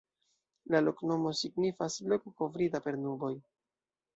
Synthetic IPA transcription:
lalo̞kno̞mo̞siɡnifasblo̞kuko̞vɾidape̞ɾnuɾbo̞j

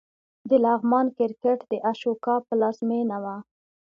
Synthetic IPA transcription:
d̪əlɑɣmɑnkɪɾkeʈd̪əʔaʃokɑpəlɑzmenawa

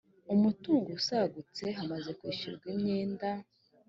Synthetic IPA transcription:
umutuːŋɡosaɡut͡se̞ɦamaze̞kwiːʃṵɾɡwimɲeːnda

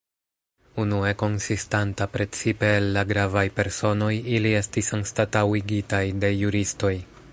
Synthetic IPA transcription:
unue̞ko̞nsistantapɾe̞t͡sipe̞ːlːaɡɾavajpe̞ɾso̞no̞jilie̞stisanstatawiɡitajde̞juɾisto̞j

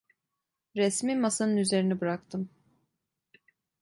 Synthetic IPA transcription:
ɾɛsmiːmasanɯnyze̞ɾinibɾakt̪ʰɯm

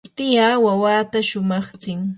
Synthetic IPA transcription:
t̪ɪjaːwawaːt̪aʃʊmɑχt͡sɪŋ

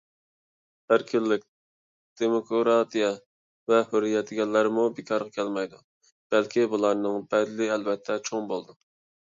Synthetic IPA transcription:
hæɾkʲʰɪlːɪk̚ʲ | d̪̥emokoɾɑt̪ijɛ | vɛhøɾːijɛt̪ʰɪɡʲɛlːæɾɪmubɪkʰɑɾʁɑkʲʰɛlmɛjd̪u | b̥ɛlkʲibulˠɑɾnɨŋbɛd̪lɪɛlvɛt̪ʰːɛt͡ʃʰoŋbolˠd̪u

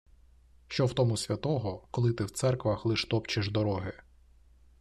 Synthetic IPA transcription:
ʃt͡ʃɔwt̪ɔmʊsʲʋʲɐt̪ɔɦɔkɔlˠɪt̪ɪwt̪sɛrkʋɐxlˠɪʃt̪ɔpt͡ʃɪʒd̪ɔɾɔɦɪ

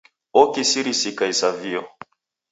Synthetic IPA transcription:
ɔkisiɾisikaisaviɔ

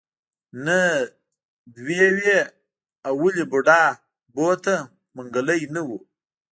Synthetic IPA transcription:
nə | d̪wewe | awuliboɖɑː | bot̪a | məŋɡaləjnəwu

